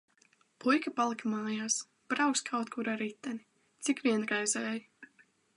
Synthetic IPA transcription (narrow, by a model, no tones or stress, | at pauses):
pujkapalˠikmaːjaːs | b̥ɾawkskʰawt̪kʰuɾaɾit̪ːani | t̪sikvʲiɛnɡajzɛːj